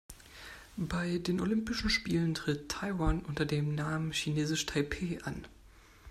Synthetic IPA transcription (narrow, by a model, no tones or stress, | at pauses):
baɪdeːnʔolʏmpɪʃn̩ʃpiːləntʁ̥ɪtʰːaɪwaːnʔʊntɐdeːmnaːmənçineːzɪʃtʰaɪpʰeːʔa̰n